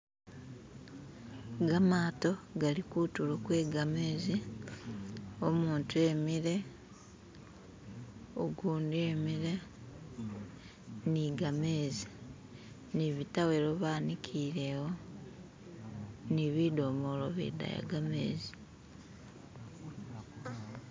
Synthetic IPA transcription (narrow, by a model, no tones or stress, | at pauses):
ɡamaːto̞ɡalikutulokwe̞ːɡameːzi | omuːntue̞miɾe̞ | oɡuːndemiɾe̞ | niɡameːzi̥ | niβitaweɾoβaːnikʰiːɾewo̞ | niβidoːmoloβḛda̰ja̰ɡameːzi̥